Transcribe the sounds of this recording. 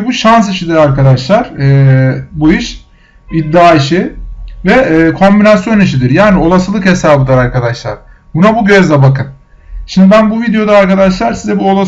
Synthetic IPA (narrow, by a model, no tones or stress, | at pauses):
buʃans̬iʃid̪iɾaɾkad̪aʃlˠaɾ̥ɛːbuiʃ | id̪ːaːiʃivɛːkʰo̞mbinasjo̞niʃ̬id̪iɾjaːnio̞lˠasɯlˠɯkhe̞saːbɯd̪aɾaɾkad̪aʃlˠa̰ɾ̥ | bunabuɟø̞zd̪ɛbakɯn | ʃimd̪ibænbuvid̪ejo̞d̪aːɾkad̪aʃlˠaɾsizɛbuolˠas